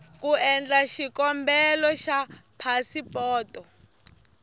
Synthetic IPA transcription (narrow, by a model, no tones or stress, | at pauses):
kuɛnd͡ɮaʃikɔmbɛlɔʃapʰasipɔːtɔ